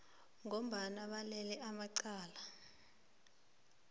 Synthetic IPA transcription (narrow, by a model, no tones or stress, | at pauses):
ŋom̩ɓanaɓalɛlɛʔamaǀaːla